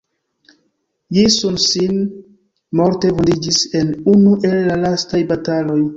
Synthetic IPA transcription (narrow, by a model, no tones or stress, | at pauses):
jisunsin | mo̞ɾte̞vondid͡ʒise̞nunuʔe̞lːalastajbatalo̞j